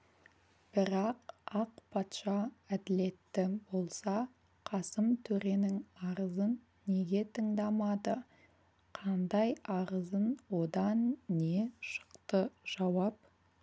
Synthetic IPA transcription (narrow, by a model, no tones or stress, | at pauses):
b̥ɪɾɑqɑqpʰɑt̪ʃɑæd̪ɪle̞t̪ːɪbo̞lˠsɑ | qʰɑsəmt̪ʰɵɾe̞nɪŋɑɾəzənː | e̞ɡʲe̞t̪ʰəɴd̪ɑmɑd̪ə | qʰɑnd̪ɑjɑʁəzənwo̞d̪ɑnːe̞ʃə̥qt̪əʒ̥ɑwɑp